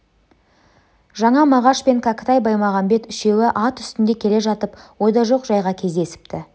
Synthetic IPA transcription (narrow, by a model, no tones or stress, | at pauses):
ʒɑɴɑmɑʁɑʃpe̞ŋkʰakə̥t̪ɑjbɑjmɑʁɑmbe̞t̪ʏʃe̞wɪʔɑt̪ʏ̥st̪ɪnd̪e̞kʲʰe̞le̞ʒɑt̪əpwo̞d̪ɑʒo̞qʒɑjʁɑkʲʰe̞zd̪e̞sɪ̥pt̪ɪ